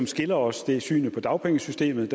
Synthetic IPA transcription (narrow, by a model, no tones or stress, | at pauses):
ɒmsɡ̥e̝lɐɒ̽sd̥e̝sy̰ːnəpʰɒ̽d̥ɑ̈ʊpʰeŋəsysd̥e̝̰ːmð̩ˠd̥